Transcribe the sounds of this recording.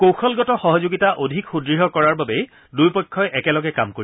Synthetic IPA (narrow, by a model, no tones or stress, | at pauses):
kowxɔlɡɔtɔxɔɦɔzoɡitaʔodʱikxudɹiɦɔkɔɹaɹbabej | dujpɔjkʰːɔjʔɛkɛlɔɡɛkamkoɹi